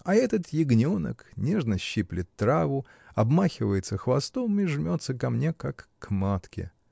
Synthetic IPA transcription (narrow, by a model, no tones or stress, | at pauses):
ɐɛt̪ət̪jɪɡnʲonə̰knʲe̞ʐnəɕːiplʲɪt̪ːɾavʊ | ɐbmaxʲɪvəjɪt̪səxvɐst̪omiʐmʲo̞t̪səkɐmnʲe̞kakːmat̪kʲɪ̰